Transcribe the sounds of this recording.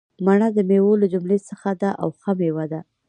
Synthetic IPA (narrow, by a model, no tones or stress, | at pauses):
maɳad̪əmewolad͡ʒʊmlesəxad̪aʔa̰wxamewad̪a